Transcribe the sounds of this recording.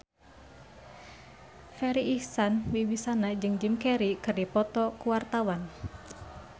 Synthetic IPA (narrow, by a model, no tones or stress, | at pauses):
fɛɾiːhsanwiwisanad͡ʒɨŋd͡ʒɨmkɛɾikɨrdipɔt̪ɔkuwart̪awan